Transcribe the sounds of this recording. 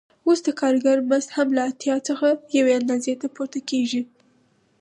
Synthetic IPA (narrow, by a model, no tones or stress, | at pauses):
osd̪əkɑɾɡaɾmast̪hamlaːt̪jɑt͡səxajaweand̪ɑzet̪apoɾt̪akeʒi